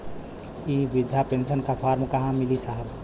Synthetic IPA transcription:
iʋɪd̪ʱjapensənkapʰaːɾmkɐɦãmilisaɦəb

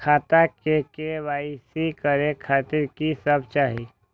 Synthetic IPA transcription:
kʰaːt̪akekeʋaisikəɾekʰaːt̪ɪɾkisəbt͡ʃaːɦi

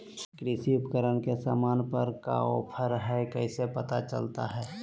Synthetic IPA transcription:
kɾɪsiʊpkəɾənkesa̰ːmaːnpəɾka̰opʰəɾɦɛkəɪsepət̪at͡ʃə̰lt̪aɦɛː

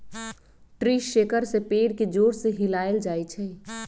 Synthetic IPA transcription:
ʈɾiːʃeːkəɾsepeːɾked͡ʒoːɾseɦɪlaːeld͡ʒaːit͡ʃʰɛː

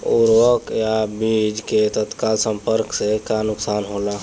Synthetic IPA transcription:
ṵɾʋəkjabid͡ʒket̪ət̪kalsəmpəɾksekanuksanɦola

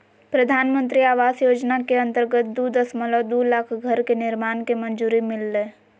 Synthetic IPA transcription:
pɾəd̪ʱaːnmə̃nt̪̬ɾiaːʋaːsjoːd͡ʒnakeɐ̃nt̪əɾɡət̪̚d̪ud̪əsməlɔd̪ulaːkʰɡʱɐɾkenɪɾmaːnkemə̃nd͡ʒuːɾimɪlːeː

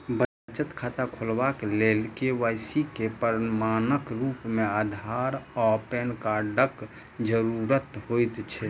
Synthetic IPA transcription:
bə | t͡ʃət̪kʰat̪akʰolbakelelkeʋajsikepəɾmanəkɾupmead̪ʱaɾɔpenkaɖək | d͡ʒəɾuɾət̪hojt̪t͡ʃʰɛ

